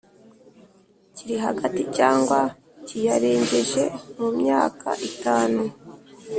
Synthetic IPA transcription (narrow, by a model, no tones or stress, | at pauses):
ciɾiɦaɡaticaːŋɡwa | cijaɾeːɲɟeʒe̞mumɲaːka̰ʔitaːnu